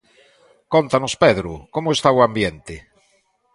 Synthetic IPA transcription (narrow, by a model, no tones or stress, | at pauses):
kont̪anospeðɾukomoest̪awambjent̪e